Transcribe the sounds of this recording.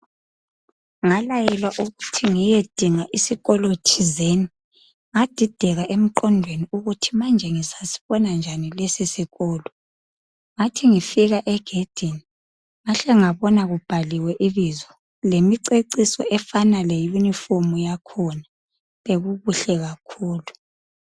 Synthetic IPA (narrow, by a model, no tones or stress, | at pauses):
ŋalajɛlwaʔuɣutʰiŋijed̥ʱiŋaʔisiɣɔlotʰizeni | ŋad̥ʱid̥ʱɛɣaʔem̩ǃɔndʱweniuɣutʰimand͡ʒʱɛŋisasi̥βɔnand͡ʒʱanilesisiɣɔːlɔ | ŋatʰiŋifiɣaʔɛɡ̥ʱed̥ʱini | ŋaɬɛŋaβɔnaɣub̥ʱaliwɛʔiβizwɔ | lemiǀeǀisɔ̰ʔɛfanalejunifomujakʰɔna | βeɣuβuɬɛɣakʰuːlu